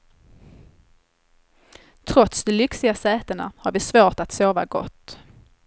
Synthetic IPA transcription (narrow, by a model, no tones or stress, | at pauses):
t̪ʰɾɔt̪sd̪ɔlʏksɪɡasɛːt̪əɳa̰haɾvɪsvoːʈat̪soːva̰ɡɔ̰t̪ː